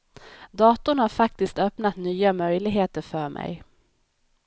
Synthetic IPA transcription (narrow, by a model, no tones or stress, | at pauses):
d̪ɑːt̪ʊɳhaɾfak̚t̪ɪskt̪œpnat̪nyːamœjlɪɡɦeːt̪əɾfœːɾmʔɛ̰j